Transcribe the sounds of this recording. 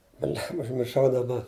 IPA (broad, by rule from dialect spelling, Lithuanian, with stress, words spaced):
ˈbʲlʲɛmbɐ ʊʒʲmʲɪrˈʃɐʊ dɐˈbɐ